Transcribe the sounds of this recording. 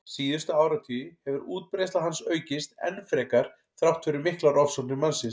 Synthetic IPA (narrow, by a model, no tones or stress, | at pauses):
siːðʏ̥st̪ʏaːwɾat̪ʰiːʏhɛvʏɾuːt̪̚pɾejst̪aɦansœːɥcɪst̪ɛ̰nːfɾɛːkaɾ̥ | θɾawht̪fʏɾʏmɪhklaɾɔfsɔwnɪmansɪn